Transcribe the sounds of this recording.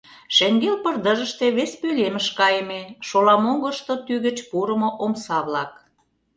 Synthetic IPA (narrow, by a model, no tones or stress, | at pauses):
ʃeŋɡelpərd̪ə̆ʒə̆ʃt̪eβespølemə̆ʃkɑjəmeʃolɑmoɣəʃt̪ot̪yɣə̆t͡ɕpuɾə̆moʔomsɑβlɑk̚